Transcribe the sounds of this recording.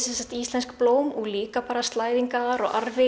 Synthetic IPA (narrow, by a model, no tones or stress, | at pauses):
sɛnsaht̪ist̪lɛnskploːwmuɣliːkapaːɾast̪laːjðiŋkaaɾɔ̰ɣʔaɾvɪ